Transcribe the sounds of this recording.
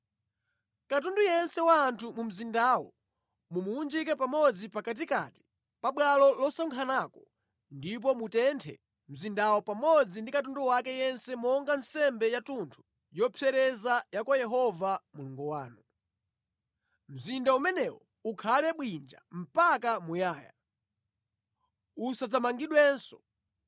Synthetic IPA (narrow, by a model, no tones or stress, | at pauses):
kat̬undujɛnsɛwaːntʰumum̩zindawɔ | mumuːnd͡ʒikɛpamɔd͡zipakat̬ika̰ti̥ | paɓwalɔlɔsɔŋkʰanakɔ̥ | ndip̬ɔmutɛntʰɛ̰ | m̩zindawɔpamɔd͡zindikatunduwakɛjɛnsɛmɔŋɡan̩sɛmbɛjatuntʰu̥ | jɔpʰɛɾɛzajakwajɛɦɔvamuluŋɡuwaːnu | m̩zindaumɛnɛwɔ | ukʰalɛɓwind͡ʒa̰m̩pak̬amujaːja̰ | usad͡zamaŋɡiɗwɛnsɔ̥